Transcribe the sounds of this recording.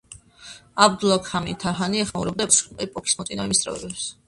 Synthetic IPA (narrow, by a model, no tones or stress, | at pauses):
abd̪ulˠakʰamit̪ʰaɦaniɛχmaṵɾɛb̚d̪aɛpɛpʼɔkʰi̥smɔt̪sʼinavimist̪ʼɾɛ̰vɛ̰bɛps